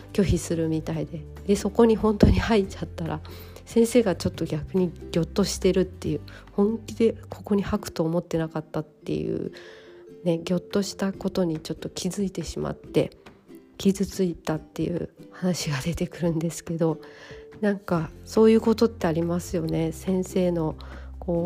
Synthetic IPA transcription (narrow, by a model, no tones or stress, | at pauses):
kʲo̞çisɨɾɯ̟mʲit̪aid̪e̞ | d̪̥e̞so̞ko̞ɲ̟iɦõ̞nt̪o̞ɲ̟ihait͡ɕat̪ːaɾa̰ | sẽ̞ɰ̃se̞ːɡat͡ɕo̞t̪ːo̞ɡʲakɯ̟ɲ̟iɡ̥ʲo̞t̪ːo̞ɕi̥t̪e̞ɾɯ̟t̪ːe̞jɯ̟ː | hõ̞ŋkʲid̪e̞kʰo̞ko̞ɲ̟ihakɯ̟̥t̪o̞ːmo̞t̪ːe̞nakat̪ːat̪ːe̞̰jɯ̰ː | ne̞ɡʲo̞t̪ːo̞ɕi̥t̪ako̞t̪o̞ɲ̟it͡ɕo̞t̪ːo̞kʲʰizɨit̪e̞ɕima̰t̪ːe̞̰ | kʲizɨt͡sɨit̪at̪ːe̞jɯ̟̰ːhanaɕiɡad̪e̞t̪e̞kɯ̟ɾɯ̟̃nd̪e̞sɨ̥ke̞d̪o̞nãŋkaso̞ːjɯ̟ːko̞t̪o̞t̪ːe̞aɾʲimasɨjo̞ne̞sẽ̞ɰ̃se̞ːno̞ko̞ː